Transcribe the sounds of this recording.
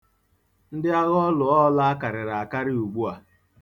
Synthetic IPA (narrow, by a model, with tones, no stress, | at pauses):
n̩˦dɪ˦a˦ɣɔ˦lʊ˨ɔ˦la˦a˦ka˨ɾɪ˨ɾa˨a˨ka˦ɾɪ˦u˨ɡ͡bu˦a˨